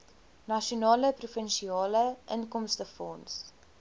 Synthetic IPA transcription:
nɐʃionɑːləprufənʃiɑːləʔənkɔmstəfɔns

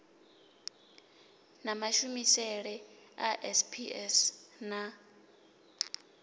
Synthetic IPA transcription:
namaʃumisɛɺɛaʔɛspʰiɛsna

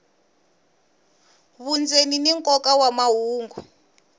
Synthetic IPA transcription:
βund͡zeniniŋkʼɔkawamaɦuːŋɡu

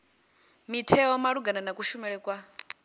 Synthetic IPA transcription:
mitʰɛɔmaɺuɡananakuʃumɛɺɛkʼwa

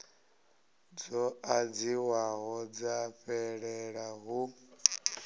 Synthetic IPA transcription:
d͡zɔad͡ziwaɦɔd͡zaɸɛɺɛɺaɦu

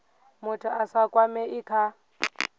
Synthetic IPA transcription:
mʊtʰʊasakʼwamɛʔikʰa

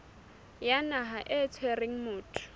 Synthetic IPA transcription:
janaɦaʔɛt͡sʰwereŋ̩mʊːtʰʼʊ̥

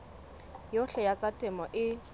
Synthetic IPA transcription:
joɬɛjat͡sʼatʼɪmɔʔɪ

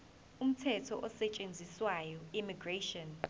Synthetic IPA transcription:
um̩tʰɛtʰɔʔɔsɛt͡ʃʼend͡zʱiswajɔimiɡreʃɔn

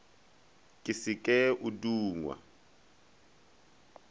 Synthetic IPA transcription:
kʼisikʼɛʔuduːŋwa̰

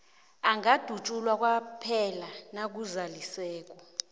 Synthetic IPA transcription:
aŋad̥ʱut͡ʃʼulwak̬ʼwapʰɛlanak̬uzalisɛːk̬ʼɔ

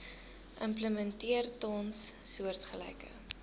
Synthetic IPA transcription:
ʔəmpləməntiərtɔnssuərtχəlɛ̰jkə̰

